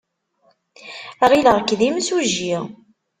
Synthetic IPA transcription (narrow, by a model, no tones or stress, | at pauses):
ʁiləʁkːðimsuʒi